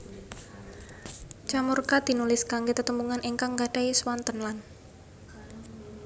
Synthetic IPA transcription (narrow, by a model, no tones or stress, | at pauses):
t͡ʃamurkad̪̥i̤nulɪskaŋɡet̪ət̪əmbuŋanʔiŋkaŋɡaɖ̥aeswant̪ənlan